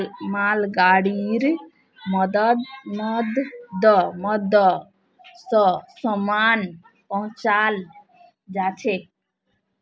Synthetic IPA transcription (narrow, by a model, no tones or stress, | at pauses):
malɡaɽiɾ | mɔd̪əd̪nəd̪d̪ɔmɔd̪ɔ | sɔsɔman | pɔɦʊ̃t͡ʃal | d͡ʒat͡ʃʰe